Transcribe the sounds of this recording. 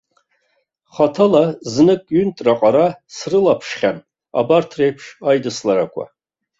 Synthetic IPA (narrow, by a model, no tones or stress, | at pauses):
χatʰalaznɨkʼɥʏntʼraqʼaɾasrɨlapʰʂχʲan | a̰bartʰrejpʰʂajdɨslaɾakʷʰa̰